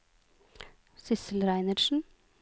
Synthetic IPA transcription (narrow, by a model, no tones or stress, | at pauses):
sʏsəl̩ɾæɪnəɾʃn̩